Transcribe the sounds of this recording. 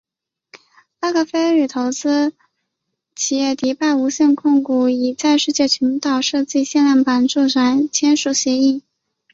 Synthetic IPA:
a˥˧ɡɤ˥˩fe˥ɪly˨˩t̪ʰo˧˥ʊt͡sɹ̩˥ | t͡ɕʰi˨˩jɛ˥˩t̪i˧˥pa˥˩ɪu˧˥ɕɛ˥˧nkʰʊ˥˧ŋku˥˩i˨˩t͡sa˥˧ɪʂɻ̩˥˧t͡ɕjɛ˥˩t͡ɕʰy˧˥nt̪ɑ˨˩ʊʂɤ˥˧t͡ɕi˥˧ɕjɛ˥˧nljɑ˥˩ŋpa˧˥nʈ͡ʂu˥˩ʈ͡ʂʰa˨˩nt͡ɕʰjɛ˥nʂu˨˩ɕjɛ˧˥i˥˩

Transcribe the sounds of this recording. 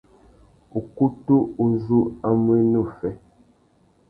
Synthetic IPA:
u˨ku˦tu˦u˦zu˦a˦mwe˦nu˦˨fɛ˦

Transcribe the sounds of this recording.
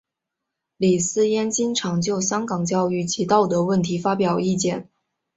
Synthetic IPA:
li˨˩sɹ̩˥jɛ˥nt͡ɕi˥nʈ͡ʂʰɑ˧˥ŋt͡ɕjo˥˩ʊɕjɑ˥ŋkɑ˨˩ŋt͡ɕjɑ˥˧ʊy˥˩t͡ɕʰi˧˥t̪ɑ˥˩ʊt̪ɤ˧˥wə˥˩nt̪ʰi˧˥fa˥pjɑ˨˩ʊi˥˧t͡ɕjɛ˥˩n

